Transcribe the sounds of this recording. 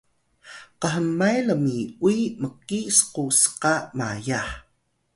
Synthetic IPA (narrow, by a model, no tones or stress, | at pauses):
qəɦəmːajləmiuiməkisə̥qusə̥qamajaħ